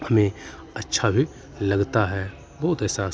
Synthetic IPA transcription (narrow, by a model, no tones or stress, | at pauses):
hɐmẽ | ɐtːʃʰabʱi | lɐɡt̪aɦɛː | bɔɦʊt̪ɛːsa